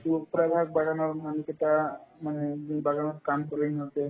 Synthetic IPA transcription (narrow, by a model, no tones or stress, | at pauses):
t̪upɾad̪ʱak̚baɡanɔɾmaniket̪amaneibaɡanəɾkamkəɾunɦot̪e